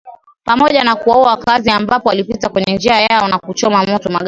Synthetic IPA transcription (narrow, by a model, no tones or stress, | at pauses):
pamɔʄanakuwauaakaziambapɔwalipitakwɛɲɛnd͡ʒiajaɔnakut͡ʃɔmamɔtɔmaɠa